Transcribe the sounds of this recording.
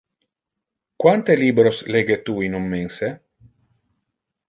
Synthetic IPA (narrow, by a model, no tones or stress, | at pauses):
kwant̪eliːbɾosleɡet̪uinummense